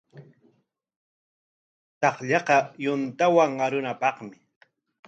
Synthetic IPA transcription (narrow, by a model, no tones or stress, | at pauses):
t̪ɑχʎɑqɑjʊnt̪awaŋaɾʊnapɑχmɪ